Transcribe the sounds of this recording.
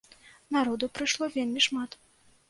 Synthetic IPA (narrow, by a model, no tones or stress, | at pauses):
naɾɔd̪upɾɨʂlˠɔvʲelʲmʲiʂmat̪